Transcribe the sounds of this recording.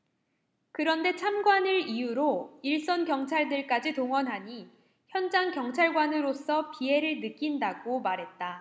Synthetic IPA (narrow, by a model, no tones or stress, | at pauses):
kɯɾʌnde̞t͡ɕʰamɡwanɯɭijuɾoiɭs͈ʌnkjʌŋt͡ɕʰaɭdɯɭk͈ad͡ʑitoŋwʌnɦaɲi | çjʌnd͡ʑaŋkjʌŋt͡ɕʰaɭɡwanɯɾos͈ʰʌpie̞ɾɯɭnɯk͈indaɡomaɾɦe̞t̚t͈a